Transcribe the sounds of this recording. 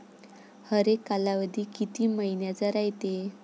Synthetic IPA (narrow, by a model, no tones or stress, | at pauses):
həɾekːalaʋəd̪ʱiːkit̪iːməinjat͡səɾajt̪e